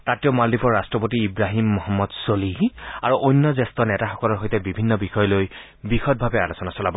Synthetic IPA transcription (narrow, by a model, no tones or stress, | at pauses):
tatiɔmaldipɔɹɹastɹɔpotiːbɹaɦimːɔɦɔmːɔdsoliaɹuʔonːɔzɛstɔnɛtaxɔkɔlɔɹɦojtɛbibʱinːɔbixɔjɔloj | bixɔt̚bʱabɛalosɔnasɔlabɔ